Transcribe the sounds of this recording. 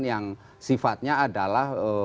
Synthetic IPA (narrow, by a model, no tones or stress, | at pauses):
njaŋ | sifat̪̚ɲaːdalahə